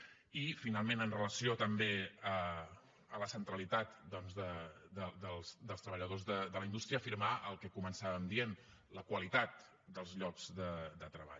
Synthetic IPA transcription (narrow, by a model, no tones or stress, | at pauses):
ifinalˠmenənrələsiot̪əmbeə | ələsənt̪ɾəlit̪at̪d̪ɔnzðəd̪əd̪əlˠsd̪əlˠst̪ɾəβəʎəðozðəd̪ələind̪ust̪ɾiəːfiɾmaʔəlˠkɛkumənsaβəmd̪ien | ləkwəlit̪at̪̚ | d̪əlˠzʎɔkz̥d̪əd̪ət̪ɾəβa̰ʎ